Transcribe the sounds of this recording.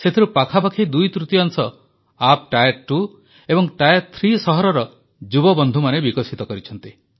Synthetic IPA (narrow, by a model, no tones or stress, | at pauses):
set̪ʰiɾupakʰapakʰid̪ujt̪ɾut̪iaŋsɔ | ap̚ʈajɾʈu | ebɔŋʈajeɾt̪ʰɾisɔɦɔɾɔɾɔ | d͡ʒubɔbɔnd̪ʱumanebikɔsit̪ɔkɔɾit͡ʃʰɔnt̪i